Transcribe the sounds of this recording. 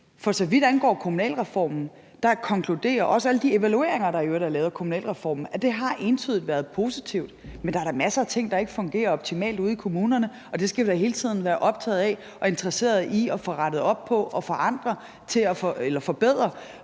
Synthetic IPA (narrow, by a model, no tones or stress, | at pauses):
fɒ̽sɒ̽ʋid̥ænɡ̥ɒ̰ːkʰo̝munɛ̰ːlʁɛfɒ̰ːmn̩ | d̥ɑ̈kʰɒ̽ŋkʰlud̥e̝̰ːɐʔɒ̽səæləd̥ie̝ʋælue̝̰ɐeŋɐɾ̥ɑ̈iøɐɾɑlɛːʊðˠɐkʰomunɛ̰ːlʁɛfɒ̰ːm̩æd̥e̝ɦɑ̈ʔe̝nt͡sʰyð̞ˠdʋæɐð̩ˠpʰo̝ːsi̥t͡sʰiʊ̰d̥mend̥ɑ̈æɾɑmæsəæt͡sʰe̝ŋ̰d̥ɑ̈e̝ɡ̥əfɔ̽ŋɡ̥e̝̰ːɐɒ̽b̥̚t͡sʰimɛ̰ːld̥uːð̞ˠikʰo̝muːnɐnə | ɒ̽d̥e̝sɡ̥æʋdɑɦe̝ːlət͡sʰið̰ˠn̩ʋæːɐʔɒ̽b̥̚t͡sʰɛ̰ːð̩ˠæ | ɒ̽e̝nd̥ʁɐse̝̰ːɐð̞̩ˠiɒfɔ̽ʁɑɾ̥ð̞̩ˠɒ̽b̥̚pʰɒ̽ɒ̽fɒ̽ʔɑ̈nd̥ʁɐ | t͡sʰe̝læfɔelɐfɒ̽b̥eð̞̰ˠʁɐ